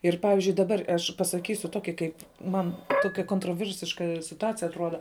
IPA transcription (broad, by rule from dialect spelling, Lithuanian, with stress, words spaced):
ɪr ˈpɑːʋʲɪzʲd͡ʒʲʊɪ dɐˈbɐr ɐʃ pɐsɐˈkʲiːsʲʊ ˈtoːkʲɪ kɐɪp ˈmɐn ˈtoːkʲɛ koːntroːˈʋʲɪrʲsʲɪʃkɐ sʲɪtʊˈɑːt͡sʲɪjɛ ɐtˈruɔdɐ